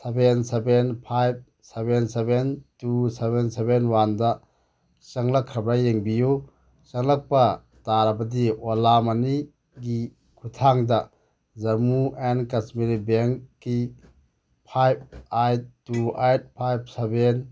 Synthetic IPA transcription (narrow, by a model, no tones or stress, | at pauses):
sebensebenpʰajb̚ | sebensebentusebensebenwandɐ | sɐŋlakʰːɾabɾajeŋbiju | sɐŋlak̚pɐ | taɾɐbɐdiolamani | ɡi | kʰutʰaŋdɐ | zɐmuenkasmiɾibeŋkːi | pʰajb̚ajttːuajt̚pʰajb̚seben